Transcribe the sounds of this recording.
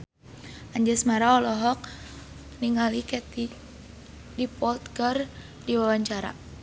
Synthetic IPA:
aɲd͡ʒəsmaɾaɔlɔɦɔk̚ | niŋalikɛt̪i | dipɔlt̪kər | diwawaɲt͡ʃaɾa̰

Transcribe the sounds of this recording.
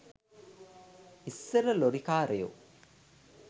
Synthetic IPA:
isːeɾəloɾikaːɾejṵ

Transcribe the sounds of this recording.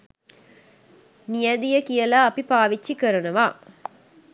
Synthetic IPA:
nijɐd̪ijɐkijɐlaːɐpipaːʋit͡ʃːikːɐɾɐnɐʋaː

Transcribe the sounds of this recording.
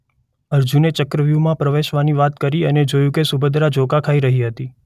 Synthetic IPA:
əɾd͡ʒunet͡ʃəkɾəʋjumãpɾəʋeʃʋaniʋat̪kəɾiəned͡ʒojũkesubəd̪ɾad͡ʒokakʰaiɾəɦiɦət̪i

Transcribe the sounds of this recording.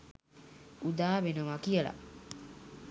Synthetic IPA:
ud̪aːʋenəʋakijəla̰

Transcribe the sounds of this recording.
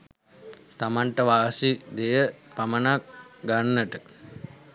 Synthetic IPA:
t̪amaɳʈəʋaːsid̪ejəpamənak̚ɡanːəʈə

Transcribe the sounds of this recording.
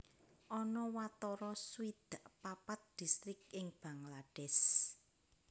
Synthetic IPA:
ʔɔnɔwat̪ɔɾɔswid̪̥aʔpapat̪̚d̪̥i̤st̪ɾɪk̚ɪŋb̥a̤ŋlad̥ɛs

